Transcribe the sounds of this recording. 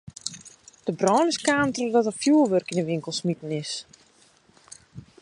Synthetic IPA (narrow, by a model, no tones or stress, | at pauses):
d̥əbrɔːnəskaːntrədɔtəfjuəlʋørkinəʋɪŋkəlˠsmitən̩ɪs